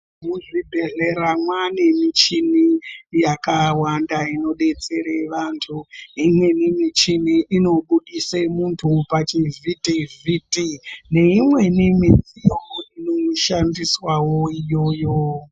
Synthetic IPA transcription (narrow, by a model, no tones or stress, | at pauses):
muʐibʱeɮeɾamwane̞mit͡ʃinijakawandaino̞ɗe̞t͡se̞ɾeʋaːntʰuimwe̞nimit͡ʃiniʔino̞ɓuɗisemuntʰupat͡ʃivitivitʼineimwe̞nimid͡zijoinouʃandiswawo̞ijo̞jo